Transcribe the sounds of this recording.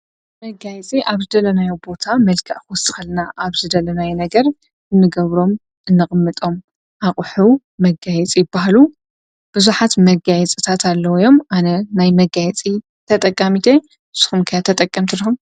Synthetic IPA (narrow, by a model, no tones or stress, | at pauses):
mɐɡajɛt͡sʼiʔaβzɨd̪ɐlɐnajowbo̞t̪ʰamɐlkʰɐʔxwɔsɨ̥xɐlnaʔaβzɨd̪ɐlɐnajenɐɡɐɾ | ʔɨnːɨɡɐβɾo̞m | ʔɨnːɨkʼɨmːɨt̪ʼo̞m | ʔaχʼħu | mɐɡajɛt͡sʼijɪbːahalu | b̥ɨzuħat̪mɐɡajɛt͡sʼɨt̪ʰat̪ʰalːɐwjo̞mʔanɐnajmɐɡajɛt͡sʼi | t̪ʰɐt̪ʼɐkʼːamit̪ʰe | sɨ̥xumkʰɐjat̪ʰɐt̪ʼɐkʼːɐmt̪ʰɨɾixum